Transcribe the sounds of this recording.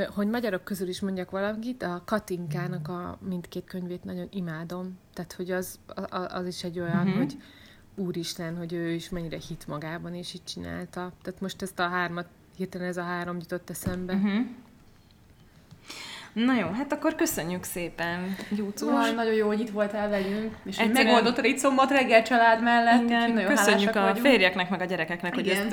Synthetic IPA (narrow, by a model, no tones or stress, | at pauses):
ho̞ɟmɒɟɒɾo̞kːøzyliʃmo̞ɲɟɒkʋɒlɒkit̪ɒkɒt̪iŋkaːnɒkɒ̰mint̪keːt̪kø̞ɲveːt̪nɒɟo̞nimaːd̪o̞mt̪aːt̪ho̞ɟɒzʔɒ̰ziʃɛɟːo̞jɒnɦoɟ | uːɾiʃlɛnho̞ɟøːiʃmɛɲːiɾɛhit̪mɒɡaːbɒniʃic̚t͡ʃina̰ːlt̪ɒt̪aːt̪mo̞ʃt̪ɛst̪ɒɦaːrmɒt̪ | heːt̪ːɛlɛnɛzɒɦaːɾo̞mjyt̪o̞t̪ːɛsɛmbɛɦ̩ | nɒjoːɦat̪ɒkːo̞rkø̞sø̞ɲːykseːpɛnjuːt̪sunɒɟo̞joːhoɟit̪ʋo̞lt̪ɛlvɛlyŋkeʃɛmɛɡɡo̞ld̪o̞t̪ːɾit̪so̞mːot̪rɛɡːɛlt͡ʃɒlaːd̪mɛlːɛt̪nkøsøɲːykɒfeːrjɛknɛkmɛɡɒɟɛɾɛkɛknɛkhoɟɛ